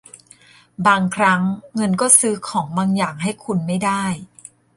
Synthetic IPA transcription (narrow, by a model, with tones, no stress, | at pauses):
baː˧ŋkʰɾa˦˥ŋːɤ˧nkɔː˥˩sɯː˦˥kʰɔː˩˦ŋbaː˧ŋjaː˨˩ŋɦa˥˩jkʰu˧nma˥˩jdaː˥˩j